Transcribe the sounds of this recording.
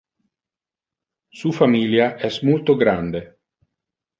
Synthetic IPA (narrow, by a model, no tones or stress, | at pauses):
suːfamiːljaʔɛsmult̪oɡɾand̪e